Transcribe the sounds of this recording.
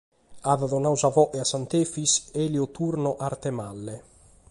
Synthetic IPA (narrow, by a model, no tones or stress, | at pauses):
aðaðɔnawzavɔʔeasant̪eːfiseliot̪uɾnoʔaɾt̪emalːe